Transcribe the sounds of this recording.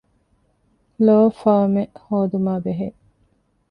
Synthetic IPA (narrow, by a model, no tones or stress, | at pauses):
loːfaːmehoːd̪umaːbeɦe